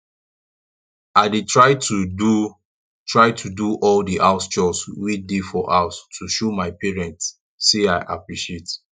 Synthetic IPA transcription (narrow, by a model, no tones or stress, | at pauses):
aɪdetʰɹaɪtudu | tɹaɪtʰuduʔɔldiʔaʊst͡ʃɔswidefɔʔaʊstʰuʃomaɪpɛɹɛ̃ntsː | eaɪʔa̰pɹiʃiet